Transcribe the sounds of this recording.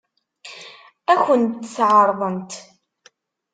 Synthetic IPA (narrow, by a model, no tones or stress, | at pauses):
æçənt̪ːsʕəɾˤðˤənt̪